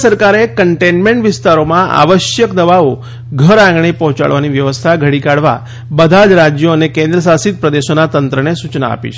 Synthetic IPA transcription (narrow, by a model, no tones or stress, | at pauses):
səɾkaɾekəɳʈenmẽɳʈʋɪst̪aɾomãʔa̰ʋəʃjəkd̪əʋao | ɡʱəɾãŋɡɳipɔɦt͡ʃa̰ɭʋaniʋjəʋəst̪ʰaɡʱəɽikaɽʋa̰ | bəd̪ʱad͡ʒɾad͡ʒjoənekẽnd̪ɾəs̬asit̪̚pɾəd̪eʃonat̪ənt̪ɾənesut͡ʃna̰ːpḭt͡ʃʰ